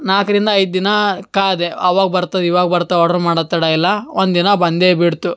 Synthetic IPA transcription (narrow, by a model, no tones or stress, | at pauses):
naːkɐɾind̪ɐɐjd̪̚d̪inɐkaːd̪eɐʋaːɡɐbɐɾt̪ɐd̪iʋaːɡɐbɐɾt̪ːaɔɽɐɾumaːɽɐt̪ːɐɽaːilːɐond̪d̪inɐbɐnd̪eːbiɽt̪u